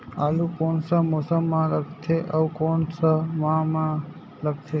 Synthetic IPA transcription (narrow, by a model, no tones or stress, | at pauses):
aːlukoːnsamoːsəmːãːləɡt̪ʰeʔəwkoːnsamãmã | ləɡ̚t̪ʰe